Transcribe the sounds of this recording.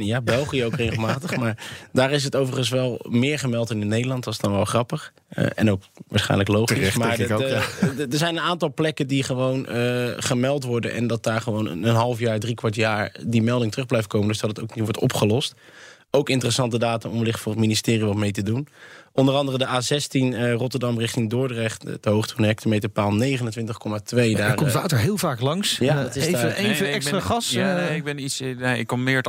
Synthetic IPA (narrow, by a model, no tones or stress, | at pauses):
jaːbɛlˠχijəowkrejχəlˠmaːtəχmaːɹdaːɾɪs̬ɦətowvəχəns̬ʋɛlˠmɪːɹχəmɛlˠtɪnətnejdəlɑntʋɑsdɑnʋɛlˠχrɑpəχ | ə̰ɛ̰nowk | ʋaːɹsχɛ̰jnləklowχismaːɹ | dəɹzɛjnənaːntɑlˠplɛkəndiχəʋownəχəmɛlˠtʋɔɹdə̰nʔɛ̰ndɑt̚daːɹχəʋownə̰nənɦɑlˠəfjaːɹdrikʋɑɹtjaːɹdimɛlˠdɪŋtərɵχblɛjft̚kowməndɵzdɑtətowkniʋɔɹtɔ̰pχəlɔst | owkɪntərəsɑntədaːtənɔ̰mʋəlɪχtfʊːrətministɪːriʋɑtmejtədunʔɔndərɑndərədəʔaːzɛstinərɔtəɹdɑmrɪχtɪŋdʊːɹdrɛχtdəɦowχtʰunɦɛktəmejtəpaːlˠnejχənəntʋɪntəχkɔmatʋejdaːɹɔmtʋaːtəɹɦɪːlˠvaːklɑŋsjatɪvəevəɛksraχɑsaɪɡ̚bɛnitsaɪkːɔmɪːɹ